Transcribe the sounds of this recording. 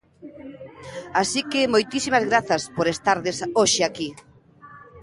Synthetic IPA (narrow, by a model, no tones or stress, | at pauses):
asikɪmojt̪isimazɣɾaθɐspoɾest̪aɾðesoʃeaki